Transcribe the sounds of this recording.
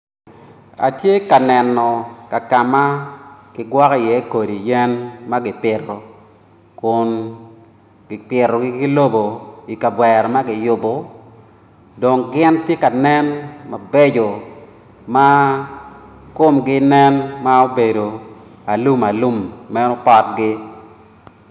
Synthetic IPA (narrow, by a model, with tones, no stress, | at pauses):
a̰˨tje˦ka˨nɛ˨nɔ˨ka˨ka˨ma˦kɪ˦ɡwɔ˦ki˦˨jɛ˦ko˨di˨jɛ˦nma˦ɡɪ˨pɪ˨rːɔ˨ | kʊ˨n | ɡɪ˨pɪ˨rɔ˨ɡɪ˦ɡɪ˦lo˦bo˨i˨ka˨bwɛ˨ɾɔ˨ma˦ɡɪ˨jʊ˨bo˨ | do˨ŋɡɪ˦ntje˦ka˨nɛ˦nma˨be˦d͡ʒo˨ | ma˦ | ko˦mɡɪ˦nɛ˦nma˦o˦be˨do˨ | a˨lu˦ma˨lu˦mːɛ˦nɔ˦pɔ˦t̚ɡɪ˦